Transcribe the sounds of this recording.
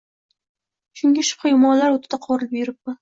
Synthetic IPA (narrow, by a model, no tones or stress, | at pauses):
ʃʊŋɡʲɪʃʊ̥pχajʊmɒnlaɾot̪ʰɪd̪̥aqʰɒɾɪlɪpjeɾɪp̚ma